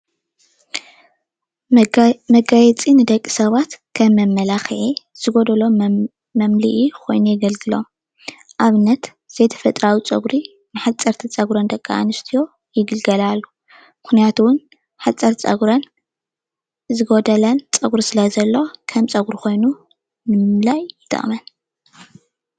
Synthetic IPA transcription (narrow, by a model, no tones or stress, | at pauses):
mɐɡajɛt͡sʼinɨd̪ɐkʼːi̥sɐβat̪kʰɐmːɐmːɐlaxʕi | z̥ɨɡod̪ɐlo̞ | mɐmliʔikʰo̞̰jnujɪɡɐlɡɨlo̞m | ʔaβɨnːɐt̪ | z̥ɐjt̪ʰɐ̥fɐt̪ʼɾawit͡sʼɐɡɾi | nɨħat͡sʼːɐɾt̪ʰit͡sʼɐɡuɾɐnd̪ɐkʼːa̰a̰nɨst̪ʰijo̞ | jɪɡɨlɡɐlalːu | mɨxnijat̪ʰuwʊn | ħat͡sʼːɐɾt͡sʼɐ̰ɡɾɐn | zɨɡod̪ɐlɐnt͡sʼɐɡɾisɨlɐzɐlːo̞kʰɐmt͡sʼɐɡɾuko̞jnu | nɨmɨmlajːɪt̪ʰʼɐ̰χʼmɐn